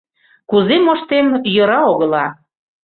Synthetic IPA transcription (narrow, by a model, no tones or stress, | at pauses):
kuzemoʃt̪emjə̆ɾɑoɣə̆lɑ